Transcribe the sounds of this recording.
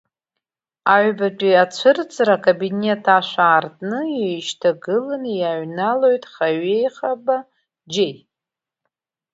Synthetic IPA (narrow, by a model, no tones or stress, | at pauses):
aʕbatʷʼiat͡ʃʷʰɨrt͡sʰʼɾakʼabine̞tʰaʃʷaːrtʼnɨjejʃtʰaɡɨlɨnjaɥnalo̞jtʼχaɥe̞jχaba | d͡ʒej